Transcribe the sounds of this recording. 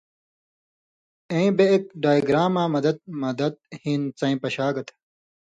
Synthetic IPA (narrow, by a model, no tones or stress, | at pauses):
ẽbeek̚ɖaːjɡɾaːmaːmɐd̪ɐd̪̚mɐd̪ɐd̪̚hĩːnt͡sɐ̃ĩpɐɕaːɡɐt̪ʰ